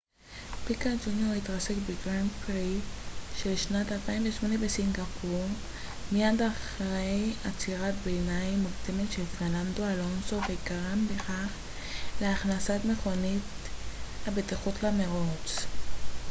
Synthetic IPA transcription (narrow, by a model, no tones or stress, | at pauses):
pikad͡ʒunjoʁitʁase̞kbeɡʁandpʁiʃelʃnatalpaimveʃmo̞nebesiŋɡapʰuʁ | mijadaχʁejat͡siʁatbenajmukdemetʃe̞lfeʁnando̞alo̞nso̞veɡaʁambeχaχ | leaχnasatme̞χo̞nit | habetiχutlameʁot͡s